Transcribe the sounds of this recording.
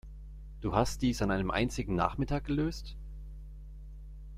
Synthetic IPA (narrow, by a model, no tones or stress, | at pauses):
d̥uːhast̚d̥iːsanʔaɪnəmʔa̰ɪnt͡sɪɡŋ̩na̰ːχmɪtʰaːk̚ɡ̥əløːst